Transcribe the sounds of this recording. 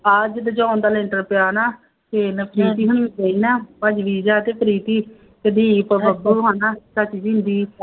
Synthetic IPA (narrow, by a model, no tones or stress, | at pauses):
əd͡ʒd̪əd͡ʒãːʊnd̪aːlɪ̃ɳʈəɾpɪjaːnaː | teːnəpʰɾiːt̪iːɦʊñĩːt͡ʃəiːnaːpəd͡ʒʋiːd͡ʒaːt̪eːpʰəɾiːt̪iː | ked̪iːpəbəkːuɦaːnaːsət͡ʃd͡ʒɪ̃nd̪iː